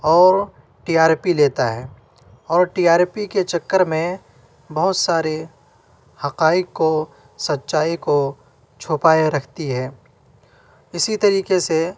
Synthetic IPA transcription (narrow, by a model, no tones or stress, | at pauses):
ɔːɾ | ʈiːaːɾpileːt̪aɦɛː | ɔːɾʈiaːɾpiket͡ʃɐkːəɾmẽ | bɐɦʊt̪saːɾe | hɐqaːɪkːo | sɐt̪ːʃaːiko | t͡ʃʰʊpaːeɾɐkʰt̪iɦɛ̃ː | ɪsit̪ɐɾiːkese